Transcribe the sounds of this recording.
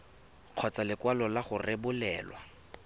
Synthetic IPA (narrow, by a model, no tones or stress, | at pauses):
q͡χʰɔt͡salɪkwalɔlaχʊrɪbʊlɛːlwa